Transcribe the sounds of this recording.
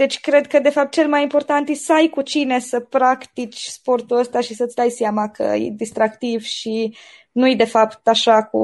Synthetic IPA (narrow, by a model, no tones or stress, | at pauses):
d̪̥e̞t͡ʃʲkɾe̞d̪kəd̪e̞fap̚t̪̚t͡ʃe̞lmajimpo̞rt̪ant̪esajkut͡ʃine̞səpɾakt̪it͡ʃʲspo̞rt̪uəst̪aʃisət̪sʲd̪ajsjamakə̰jḛd̪ist̪ɾakt̪ivʃi | nujed̪e̞fapt̪aʃakṵ